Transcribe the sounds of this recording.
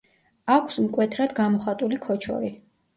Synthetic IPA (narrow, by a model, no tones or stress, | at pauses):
akʷʰsmkʼwɛt̪ʰɾad̪ɡamɔχat̪ʼulikʰɔt͡ʃʰɔ̰ɾi